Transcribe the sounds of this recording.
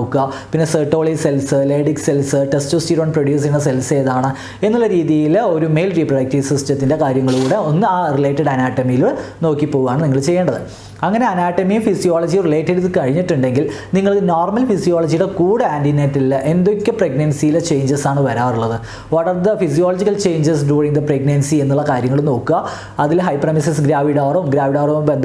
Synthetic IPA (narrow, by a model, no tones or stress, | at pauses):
okːɨɣɐpinːe̞seːʈːo̞ːɭise̞lsɨleːɽikselsɨʈestuːstiɾoːnproɽjuːs̬inːɐselse̞ːðaːɳɨ | e̞nːulːɐɾiːðijilo̞ɾume̞jlriprɐɽɐk̚tisɐstɐt̪ːinde̞kaːɾjɐŋːɐɭkuːɽe̞o̞nːɨaːrile̞ːtːɐɽɐnaːʈːɐmijilno̞ːkːipːo̞ːɣuɣaːɳɨniŋːɐɭt͡ɕejːeːɳɖɐðɨ | ɐŋːɐne̞ɐnaːʈːɐmifisijoːɭɐd͡ʑirile̞ːtːɐɽɨðkɐɻiɲːiʈːuɳɖe̞ŋɡilniŋːɐɭɨnoːrmɐlfisijoːlɐd͡ʑijuɽe̞kuːɽeaːndinːetːilːɐʔe̞nd̪okʲːɐpreɡnɐnsijilet͡ɕe̞jɲd͡ʑɐsaːɳɨʋɐɾaːʋruɭːɐðɨ | ʋɐɽɐrd̪ɐfis̬ijoːlod͡ʑikːɐlt͡ɕe̞jɲd͡ʑɐsɖuːriŋd̪ɐpreɡnɐnsie̞nːuɭːɐkaːɾjɐŋːɐɭumno̞ːkːuɣɐ | ɐðilɦɐjprɐmisɐsɡɾaːʋiɽaːrɐʋumɡɾaːʋiɽaːrɐʋumbend̪ɐ